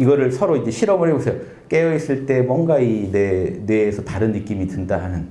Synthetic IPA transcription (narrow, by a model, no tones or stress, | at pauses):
iɡʌɾɯɭsʰʌɾoid͡ʑe̞ɕʰiɾʌmɯɭɦe̞bosʰejo | k͈e̞jʌis͈ɯɭt͈e̞mwʌŋɡainene̞ːsʰʌtaɾɯnːɯk͈imitɯndaɦanɯn